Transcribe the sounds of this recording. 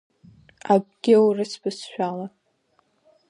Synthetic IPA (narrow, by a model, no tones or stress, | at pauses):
ab̚ɡʲɪwrɨsbɨsʃᶣala